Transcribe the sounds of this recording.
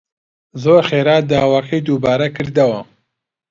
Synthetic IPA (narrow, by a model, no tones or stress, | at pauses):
zoːɾxeːɾaːd̪aːwaːkʰɐjd̪uːbaːɾɐkʰɨɾd̪ɐwɐ